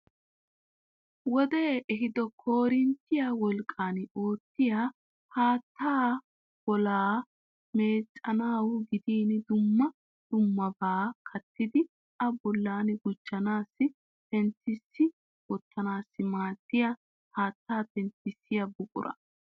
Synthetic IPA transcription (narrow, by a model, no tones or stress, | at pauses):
wɔd̪eːʔɛɦɪd̪ɔkʰo̞ːɾɪnt̪ːɪjawɔlkʼːaːno̞ːt̪ːɪjaː | haːt̪ːaː | w̥ɔlaː | meːt͡sʼːɐnaːwʊɡɪd̪iːnd̪ʊmːɐ | d̪̥ʊmːɐbaːkʰɐt̪ːɪd̪ɪ | ɐbɔlːaːnɡʊt͡ʃːɐnaːsːɪ | t̪ɛnt̪ːɪsːɪ | wɔt̪ʰːɐnaːsːɪmaːt̪ːɪjɐ | haːt̪ːaːt̪ɛnt̪ːɪsːɪjɐbʊkʼʊ̰ɾʔɐ̰